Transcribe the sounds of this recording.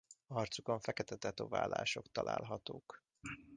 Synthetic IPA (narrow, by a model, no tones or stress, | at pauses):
ɒrt̪sukoɱfɛkɛt̪ɛt̪ɛt̪ovaːlaːʃo̞kt̪ɒlʔa̰ːlɦɒt̪oːk